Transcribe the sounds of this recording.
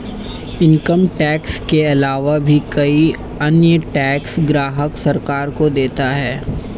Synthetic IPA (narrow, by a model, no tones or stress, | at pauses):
ɪ̃ŋkəmʈɛːkskeɐlaːʋabʱikɐi | ɐnjəʈɛːksɡɾaːɦəksɐɾkaːɾkod̪eːt̪aɦɛː